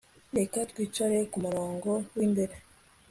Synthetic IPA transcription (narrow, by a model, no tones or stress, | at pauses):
ɾekatwiːt͡ʃwaɾekumuɾoːŋɡowiːmbeɾe